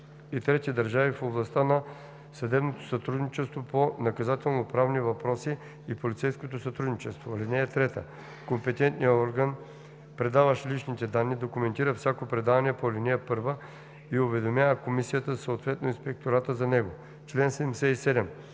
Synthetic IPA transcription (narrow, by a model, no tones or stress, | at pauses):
it̪ɾɛt̪id̪ɐɾʒavifoblˠɐst̪anɐ | sɐd̪ɛbnot̪o̥sɐt̪ɾud̪nit͡ʃɛst̪voponɐkɐzat̪ɛlˠnopɾavnivɐpɾɔsiː | polʲit̪sɛjskot̪osɐt̪ɾud̪nit͡ʃɛst̪volinɛjət̪ɾɛt̪ə̰ | kompɛt̪ɛnt̪nijəɔɾɡən | pɾɛd̪avəʃlit͡ʃnit̪ɛd̪anːid̪okumɛnt̪iɾəfsʲjakopɾɛd̪avɐniɛpolinɛjəpɤɾvə | iovɛd̪omʲjavəkomisijət̪əsoot̪vɛt̪noinspɛk̚t̪oɾat̪əzɐnɛɡo | t͡ʃlɛnsɛd̪ɛmsɛisɛd̪ɛm